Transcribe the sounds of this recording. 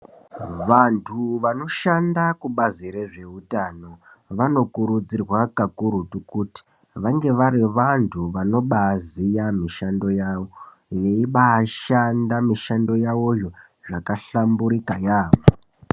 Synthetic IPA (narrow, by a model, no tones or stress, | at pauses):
ʋantʰuʋano̞ʃandakuɓaziɾe̞ʐe̞utano̞ | ʋano̞kuɾud͡zirwakakuɾutukuti̥ | ʋaŋɡe̞ʋaɾiʋantʰuʋano̞ɓazijamiʃando̞jaːwo | jeiɓaʃandamiʃando̞jawojo | ʐakaɬambuɾikajaːʋo